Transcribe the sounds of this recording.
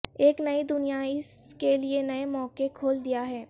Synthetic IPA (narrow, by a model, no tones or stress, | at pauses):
eːknɐid̪ʊnijaɪskelienɐemɔːkekʰoːld̪ijaɦɛː